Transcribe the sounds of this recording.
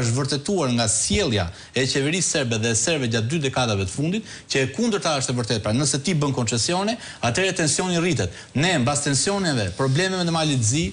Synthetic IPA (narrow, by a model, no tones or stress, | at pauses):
ʃt̪vəɾt̪ɛt̪uaɾŋɡasjɛlˠja̰ | ɛt͡ɕɛvɛɾisːɛɾbɛðɛsɛɾbɛɟat̪̚d̪yd̪ɛkaðavɛt̪ə̥fund̪it̪ | cəɛkund̪əɾt̪aaʃt̪ɛvəɾt̪ɛt̪̚pɾanəsɛt̪ibənkɔnt͡ʃɛsjɔnɛ | at̪ɛɾɛt̪ɛnsjɔnirit̪ɛt̪ | nɛmbast̪ɛnsjɔnɛvɛpɾɔblɛmɛvɛnd̪əmalit̪zi